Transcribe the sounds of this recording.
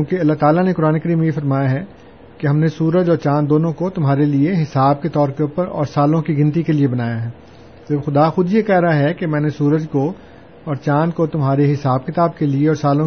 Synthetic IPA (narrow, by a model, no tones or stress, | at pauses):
kjũːkeɐlːaɦt̪aːlanekʊɾaːnekɐɾiːmejefɐɾmaːjaɦɛ | keɦɐmnesuːɾəd͡ʒɔːɾt͡ʃãːnd̪oːnõkot̪ʊmɦaːɾelieɦɪsaːb̚ket̪ɔːɾkeuːpəɾɔ̰ːɾsaːlõkiɡɪ̃nt̪̬ikeliebɐnaːjaɦɛː | t̪oxʊd̪axʊd̪jekɛɦɾaɦaɦɛkemɛ̃ːnesuːɾəd͡ʒko | ɔːɾt͡ʃãːnkot̪ʊmɦaːɾeɦɪsaːbkɪt̪aːb̚kelieɔːɾsaːlõ